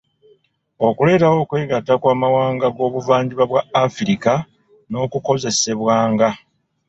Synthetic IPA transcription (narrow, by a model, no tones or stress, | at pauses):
o̞kule̞ːtawo̞ːkwe̞ːɡatːakwaːmawaːŋɡaɡo̞ːβuvaːɲɟiβaβwaːfiɾika | no̞ːkuko̞ze̞se̞βwaːŋɡa